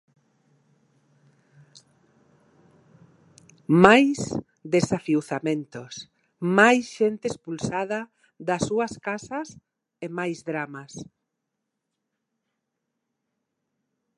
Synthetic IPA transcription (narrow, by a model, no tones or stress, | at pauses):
majs | d̪esafiwθamẽnt̪os | majsʃent̪eespulsaðɐ | ðɐsuɐskasɐs | emajzðɾamas